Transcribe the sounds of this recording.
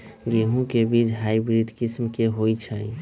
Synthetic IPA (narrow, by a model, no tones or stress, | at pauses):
ɡeɦũkebid͡ʒɦajbɾiɖkismkeɦojt͡ʃʰəj